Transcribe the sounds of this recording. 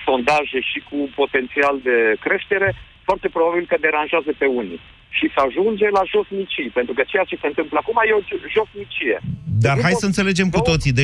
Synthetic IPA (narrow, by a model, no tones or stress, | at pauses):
so̞nd̪aʒeʃikupo̞t̪e̞nt̪siald̪e̞kɾe̞ʃt̪e̞ɾe̞ | foart̪e̞pɾo̞babilkəd̪e̞ɾanʒeazəpe̞unḭ | ʃisəaʒund͡ʒe̞laʒo̞snit͡ʃijpe̞nt̪ɾukət͡ʃe̞jat͡ʃe̞se̞ɨnt̪ɨmpləakumajeo̞ʒo̞snit͡ʃije̞̰d̪arɦajsəɨnt̪e̞led͡ʒe̞mk̪ut̪o̞t̪sid̪e